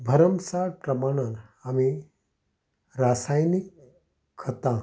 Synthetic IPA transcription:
bʱəɾəmsapɾəmaɽ̃anami | ɾasajnikʰː | ət̪ã

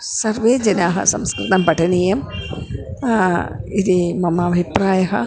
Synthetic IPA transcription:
sɐɾʋeːd͡ʒɐnaːɦɐ̰sɐ̰mskɾɪt̪ɐmbɐʈʰɐneːjɐm | id̪imɐmɐːbʱipɾaːjɐɦɐ̰

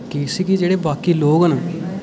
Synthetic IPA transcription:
kiːsikid͡ʒeːɽeːbaːkiːloːɡəna

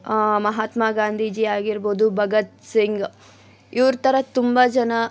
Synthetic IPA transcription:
mɐɦaːt̪maːɡaːnd̪ʱid͡ʒiːaːɡiɾboːd̪ubʱɐɡɐt̪̚siŋɡ | iʋɾt̪ɐɾɐt̪umbɐd͡ʒɐnɐ

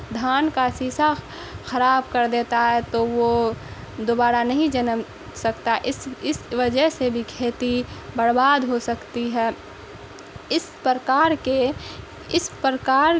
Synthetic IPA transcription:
d̪ʱaːnkasiːsa | xɐɾaːbkəɾd̪eːt̪aɦɛt̪oʋo | d̪oːbaːɾanɐɦĩd͡ʒənəm | sɐkt̪aɦɛʔɪsɪsʋəd͡ʒəɦsebʱikʰeːt̪ibəɽbaːd̪ɦosɐkt̪iɦɛː | ɪspəɾkaːɾke | ɪspɾkaːɾ

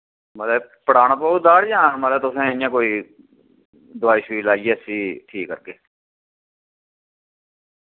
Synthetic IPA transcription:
məlɛː | pəɽaːñãːpəud̪aːɽd͡ʒãːməlɛːt̪ʊsẽːjãːkoːiː | d̪ʊaːiːʃiːlaːiesiːʈʰiːkːəɾɡeː

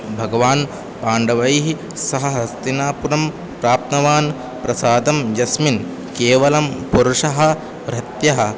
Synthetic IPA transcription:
bʱɐɡɐʋaːn | paːɳɖɐʋɐjɦi | sɐɦɐɦɐst̪inaːpuɾɐm | pɾaːp̚t̪nɐʋaːn | pɾɐsaːd̪ɐmd͡ʒɐsmin | keːʋɐlɐmpuɾuʂɐɦɐ̆ | ʋɾɐt̪jɐɦɐ̆

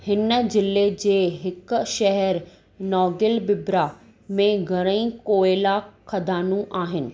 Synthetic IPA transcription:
hɪnd͡ʑɪled͡ʑeːɦɪk̆ʃɐɦɛɾ | nɔːɡɪlbɪbɾa | mẽɡʱɐɾ̃ə̃ĩkoːelakʰɐd̪ʱaːnũʔaːɦɪnɪ̆

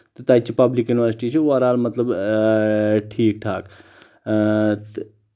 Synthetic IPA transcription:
t̪ət̪at͡ʃʰipɐblikjuniʋəɾsi̥ʈit͡ʃʰiuɐɾaːlmɐt̪ləb | ʈʰiːk̚ʈʰaːk | t̪

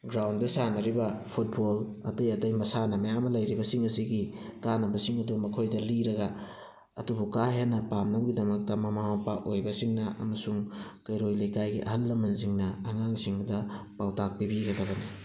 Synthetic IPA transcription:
ɡɾawndɐsanɐɾibɐpʰut̚bolɐ̰tɐjɐtɐjmɐsanɐmɐjamɐlɐjɾibɐsiŋɐsiɡikanɐbɐsiŋɐdumɐkʰojdɐliɾɐɡɐ | ɐ̰tubukaɦenːɐpamnɐbɡidɐmɐk̚tɐmɐmamɐpaʔojbɐsiŋnɐʔɐ̰mɐsuŋkɐjɾojlɐjkajɡiʔɐ̰ɦɐlːɐmɐziŋnɐːŋaŋsiŋbdɐpawtak̚pibiɡɐdɐbɐni

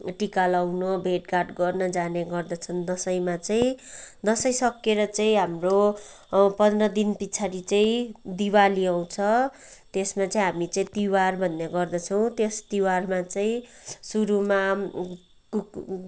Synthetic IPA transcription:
ʈikalawnʌbʱeʈkarʈɡʌrnʌd͡zaneɡʌrd̪ʌt͡sʰʌnd̪ʌsʌjmat͡saĩd̪ʌsʌjsʌkːeɾʌt͡sʌĩɦamro | pʌnrʌd̪inpit͡sʰaɾit͡saĩd̪iwaliaw̃t͡sʰʌ | t̪esmat͡sʌĩɦamit͡sʌĩt̪iwarbʱʌnːaɡʌrd̪ʌt͡sʰʌw̃t̪est̪iwarmat͡saĩsuɾuma | ku

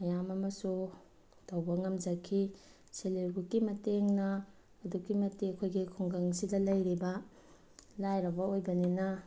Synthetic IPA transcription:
mɐjamɐmɐsu | tɐwbɐŋɐmd͡ʒɐkʰi | seleɾɡukimɐteŋnɐː | dukimɐtekʰojɡikʰuŋɡaŋsidɐlɐjɾibɐ | lajɾɐbɐojbɐninɐ

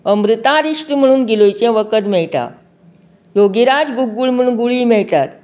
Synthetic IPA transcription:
əmɾit̪ãɾiʂʈim̤əɽ̃uːnɡilojt͡ɕɛ̃ʋəkət̪mɛɭʈa̰ | joɡiɾad͡zɡuɡːuːɭm̤əɽ̃uːnɡuɭiːmɛɭʈat̪

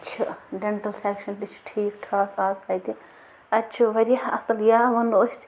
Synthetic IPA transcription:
t͡ʃʰɐɖeɳʈɐlsekʃɐnt̪it͡ʃʰʈʰiːkʈʰaːt̪ʰaːspɐjt̪i | ɐt͡ʃʰuʋɐɾʲjaɐsɐljaːʋɐnoɦʲis

